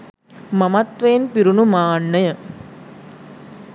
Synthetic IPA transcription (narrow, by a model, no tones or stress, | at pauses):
mɐmɐt̪ʋɐnpiɾunumaːɳːɐjɐ